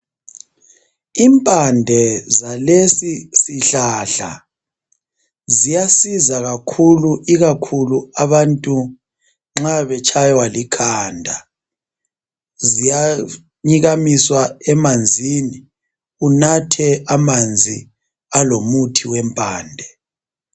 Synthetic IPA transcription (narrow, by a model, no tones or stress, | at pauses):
impʼandʱɛzalesisiɬaɬa̰ | zijasizaɣakʰuluʔiɣakʰuluaβantʼu | ŋ͡ǁaβɛt͡ʃʰʼajwalikʰaːndʱa | zija | ɲiɣamiswaɛmand͡zʱini | unatʰɛamand͡zʱi | alomutʰiwɛmpʼaːndʱɛ